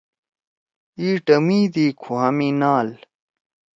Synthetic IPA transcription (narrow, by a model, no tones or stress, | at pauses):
iːʈɐmiːd̪iːkʰuɦɐmiːnaːl